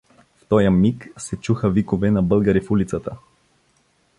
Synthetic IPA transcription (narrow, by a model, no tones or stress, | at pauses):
ft̪ɔjəmiksɛt͡ʃuxəvikovɛnɐbɤlˠɡəɾifulit̪sət̪ə